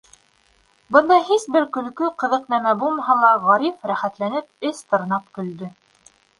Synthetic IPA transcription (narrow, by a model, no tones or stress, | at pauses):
bɤ̆nd̪ɑɦisbɘɾkɵ̆lkɵqɤ̆ðɤqnæmæbulˠmɑɦɑlˠɑʁɑɾifɾæχæt̪lænɘp̚ɘst̪ɤ̆ɾnɑp̚kɵ̆ld̪ɵ